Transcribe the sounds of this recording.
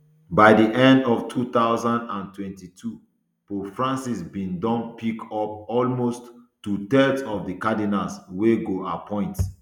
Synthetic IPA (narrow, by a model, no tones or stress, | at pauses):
baɪdiʔɛ̃ndɔftʰut̪aʊzãndãntʰwɛ̃ntitʰu | pofɹãnsisbĩndɔ̃npʰikɔp̚ɔlmostː | utɛdɔvdikadinalsweɡoa̰pʰɔ̃ɪ̃nt